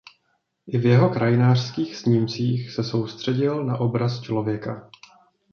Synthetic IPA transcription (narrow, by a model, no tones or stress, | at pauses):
ʔɪvjɛɦo̞kɾajɪnaːr̥skiːxsɲimt͡siːxsɛso̞wst̪r̝̥ɛɟɪlnaʔo̞bɾast͡ʃlo̞vjɛka